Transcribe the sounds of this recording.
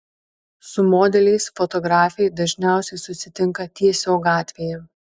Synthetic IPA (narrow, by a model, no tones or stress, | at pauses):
sʊmoːd̪ʲɛlʲɛɪsfɔt̪ɔɡɾɑːfʲɛɪd̪ɐʒʲnʲæˑʊsʲɛɪsʊsʲɪt̪ʲɪŋkɐt̪ʲiɛsʲoːɡɑːt̪ʲʋʲeːjɛ